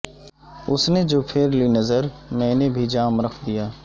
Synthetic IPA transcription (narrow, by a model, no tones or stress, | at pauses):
ʊsned͡ʒoːpʰɪɾlinɐzəɾmɛ̃ːnebʱid͡ʒaːmɾəkʰd̪ijaː